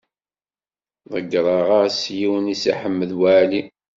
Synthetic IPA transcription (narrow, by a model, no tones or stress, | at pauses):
ðˤəɡɾˤɑʁasjiwənisiħəmːəðwaʕli